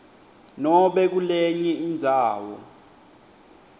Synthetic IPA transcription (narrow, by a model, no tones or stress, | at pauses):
nɔɓɛk̬ulɛɲɛind͡zʱaːwɔ̰